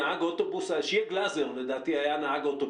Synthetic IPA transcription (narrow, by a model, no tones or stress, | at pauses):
aʕaɡot̪obusalʃjeɡlazeʁled̪aːt̪ihajanaʕaɡot̪o